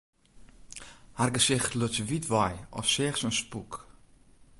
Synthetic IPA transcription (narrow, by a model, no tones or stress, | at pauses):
harɡəsɪχtløt͡svitvɔjɔ̰fsɪːχsənspuk